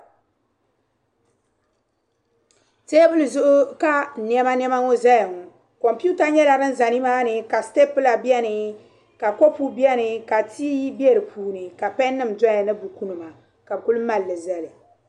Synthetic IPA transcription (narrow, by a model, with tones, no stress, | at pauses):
te˦bɨ˦lɨ˨zʊ˦ʔʊ˦ka˦˨n˦ɛ˦ma˦n˦ɛ˦ma˦ŋo˦zɛ˦jŋ˨ | kɔ˨mpu˦ta˦ɲɛ˦la˨ɾɨ˦n̩˦za˨ni˦maː˦nɨ˨ka˨ste˦pɨ˦la˨bjɛ˦nɨ˨ | ka˨ko˦pu˦bi˦ɛ˦nɨ˨ka˨tiː˦ji˦bi˦ɛ˦ɾɨ˨puː˨˦nɨ˨ka˨pɛ˦nːɨ˦˨mdɔ˦ja˨nɨ˦bu˨ku˦nɨ˨ma˨ | ka˨bɨ˨ku˦lɨ˦ma˨lːɨ˨zɛ˨lɨ˨